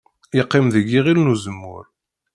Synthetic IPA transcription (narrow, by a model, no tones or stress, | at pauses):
ɪqːɪmðəɡːiʁilnuzəmːʊ̰ɾ